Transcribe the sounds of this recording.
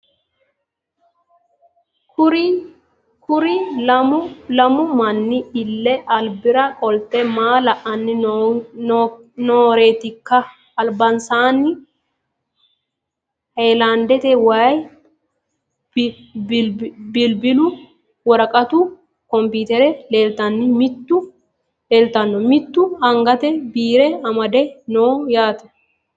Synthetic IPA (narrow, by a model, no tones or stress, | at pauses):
kʊ | kʊɾɪɐmlɐmʊmɐnːɪɪlːɛɐlbɪɾɐkʼɔlt̪ɛmaːlɐʔɐnːɪ | noːɾeːt̪ɪkːɐ | ɐlbɐnsaːnɪ | hɐjlaːnd̪ɛt̪ɛwaːj | bɪlbɪlʊ | wɐɾɐkʼɐt̪u | kɔmpiːt̪ɛɾɛleːlt̪ɐnːɪmɪt̪ːʊ | leːlt̪ɐnːɔmɪt̪ːʊhɐŋɡɐt̪ɛbiːɾɛɐmɐd̪ɛnoːjaːt̪ɐ̥